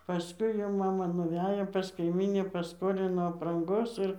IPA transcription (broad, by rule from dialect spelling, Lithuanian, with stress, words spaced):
pɐˈskʊɪ jɛʊ ˈmɑːmɐ nʊˈʋʲæːjoː pɐs kɐɪˈmʲiːnʲɪ pɐˈskoːlʲɪnoː ɐprɐŋˈɡoːs ˈɪr